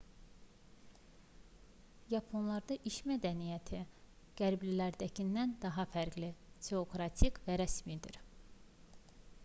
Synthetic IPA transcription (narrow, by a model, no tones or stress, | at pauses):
jɑpʰonlˠɑɾd̪ɑʔiʃmæd̪ænijæt̪ʰi | ɡ̥æɾblilæɾd̪æcʰinːænd̪ɑɦɑfæɾɡlit̪ʰeokɾɑt̪ʰikʰvæɾæsmid̪ḭɾ